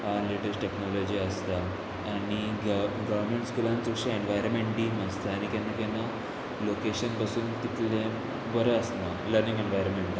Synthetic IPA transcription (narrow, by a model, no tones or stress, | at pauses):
aleʈesʈeknɔlod͡ʑiəst̪aː | ɽ̃iɡəʋəɾmeɳʈskulãnt͡sukʂieɳʋajɾmeɳʈɖimast̪aaɽ̃ikɛnːakɛna | lokeɕənbəsuːnt̪it̪lẽ | bəɾəəst̪naləɾnĩŋɡenʋajɾənmeɳʈd̪